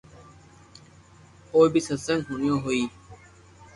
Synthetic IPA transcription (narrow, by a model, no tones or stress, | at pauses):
oːbiːsəsəŋɡɦʊnɪjõːɦoiː